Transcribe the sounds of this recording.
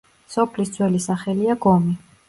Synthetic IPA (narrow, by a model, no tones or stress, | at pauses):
sɔpʰlisd̪zʰʼwɛlisaχɛliaɡɔmi